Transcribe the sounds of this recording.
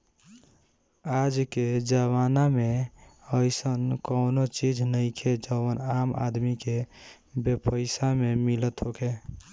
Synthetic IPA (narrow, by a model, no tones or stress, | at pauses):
ad͡ʒked͡ʒəβanameəɪsənkəʊnot͡ʃid͡ʒʱnəɪkʰed͡ʒəwənama̰d̪mike | bepəɪsamemilət̪ɦokʰe